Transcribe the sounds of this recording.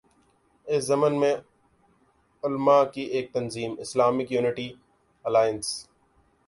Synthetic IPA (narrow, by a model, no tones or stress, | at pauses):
ɪszɐmənmẽ | ʊlmaːkiʔeːk̚t̪ɐnziːmɪslaːmɪkjuːnɪʈi | ɐlaːjəns